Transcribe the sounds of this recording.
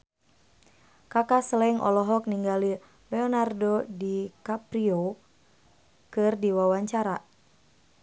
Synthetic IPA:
kakasəlɛŋʔɔ̰lɔɦɔk̚niŋɡali | lɛɔnardodikapɾio | kɨrdiwawaɲt͡ʃaɾa

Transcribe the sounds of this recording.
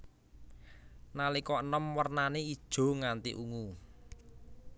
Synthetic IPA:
nalikɔənəmwərnaneid̥ʒ̥o̤ŋant̪ḭʔuŋu

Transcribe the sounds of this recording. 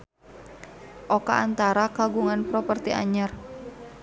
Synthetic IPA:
ʔoka̰ʔːnt̪aɾakaɡuŋanpɾɔpərt̪iʔa̰ɲar

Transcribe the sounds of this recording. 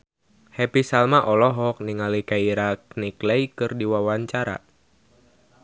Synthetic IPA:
hɛpisalmaʔɔlɔɦɔk̚niŋalikaiɾaknikleikɨrdiwawaɲt͡ʃaɾa̰

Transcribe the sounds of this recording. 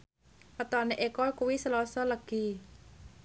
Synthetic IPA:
ʔət̪ɔneʔekɔkuwisəlɔsɔləɡ̥i̤

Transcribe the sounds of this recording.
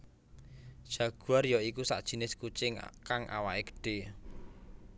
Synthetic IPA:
d̥ʒ̥ä̤ɡ̥uarjɔikusa̰ʔd̥ʒ̥i̤nɪskut͡ʃɪŋkaŋʔa̰waʔeɡə̥ɖ̥e̤

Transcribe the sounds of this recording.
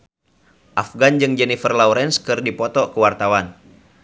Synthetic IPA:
ʔafɡand͡ʒɨŋd͡ʒɛnifərlauɾɛnskɨrdipɔt̪ɔkəwart̪awan

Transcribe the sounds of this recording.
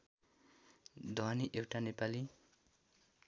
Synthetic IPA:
d̪ʱoaniʔewʈanepali

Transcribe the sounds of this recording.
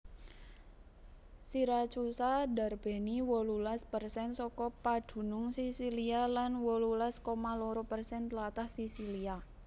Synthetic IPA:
siɾat͡ʃusada̤rb̥e̤niwɔlulaspərsɛnsɔkɔpad̪̥ṳnʊŋsisilialanwɔlulaskomalɔɾɔpərsɛnt̪əlat̪ahsisilia

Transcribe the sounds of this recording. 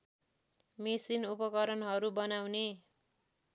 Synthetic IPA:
misinupʌkʌɾʌnɦʌɾubʌnawne

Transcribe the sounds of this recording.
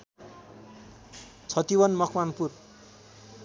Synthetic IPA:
t͡sʰʌt̪ibʌnmʌkʰmanpur

